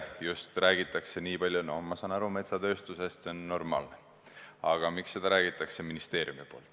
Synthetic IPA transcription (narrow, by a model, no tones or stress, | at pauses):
just̪ræːɡ̥it̪ːˑɑkse̞niːpɑlʲjunomɑsɑːnɑɾume̞t̪sɑt̪ø̞ːst̪use̞st̪se̞onːo̞rmɑ̰ːlne | ɑɡ̥ɑmikse̞d̪̥ɑɾæːɡ̥it̪ːˑɑkse̞minist̪e̞ːɾjumipo̞ːlt̪ːˑ